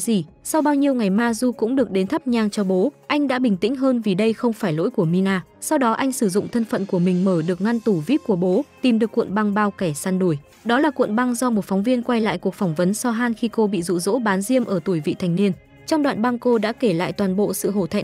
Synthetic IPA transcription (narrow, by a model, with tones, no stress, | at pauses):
zi˨˩ | sa˧wɓaː˧wɲi˧əwŋa˨˩jmaː˧zu˧kʊ̰˧˥ŋ͡mɗɨ˨˩ək̚ɗe˨˦nt̪ʰə˦˥p̚ɲaː˧˩ŋt͡ɕɔ˧ɓo˨˦ʔa˧jŋ̟ɗa̰ː˧˥ɓï˨˩ŋ̟t̪ḭ̈˧˥ŋ̟ɦəː˧nvi˨˩ɗə˧jxə˧wŋ͡mfaː˧˩jlo̰˧˥jku˧˩əmi˧naː˧ | sa˧wɗɔ˨˦ʔa˧jŋ̟sɨ˧˩zʊ̰˧˨ŋ͡mt̪ʰə˧nfə̰˧˨nku˧˩əmï˨˩ŋ̟məː˧˩ɗɨ˨˩ək̚ŋa˧nt̪u˧˩vi˦˥p̚ku˧˩əɓo˨˦t̪i˨˩mɗɨ˨˩əkːwḭ˧˨nɓa˧ŋɓaː˧wkɛ˧˩saː˧nɗu˧˩əj | ɗɔ˨˦laː˨˩kwḭ˧˨ənɓa˧ŋzɔ˧mo˨˩t̚fɔ˨˦wŋ͡mvi˧ənkwa˧jla̰ː˧˨jku˨˩ək̚fɔ˧˩wŋ͡mvə˨˦nsɔ˧ɦaː˧nxi˧ko˧ɓḭ˧˨zṵ˧˨zo̰˧˥ɓaː˨˦nzi˧əmʔəː˧˩t̪u˧˩əjvḭ˧˨t̪ʰa˨˩jŋ̟ni˧ən | t͡ɕɔ˧wŋ͡mɗwa̰ː˧˨nɓa˧ŋko˧ɗa̰ː˧˥ke˧˩la̰ː˧˨jt̪waː˨˩nɓo̰˧˨sɨ̰˧˨ɦo̰˧˩t̪ʰa̰˧˨ŋ